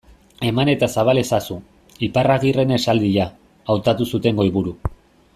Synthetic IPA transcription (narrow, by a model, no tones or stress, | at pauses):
e̞mane̞t̪asaβale̞sasu | iparaɣire̞ne̞sald̪iʎaː | wt̪at̪usut̪e̞ŋɡo̞iβuɾu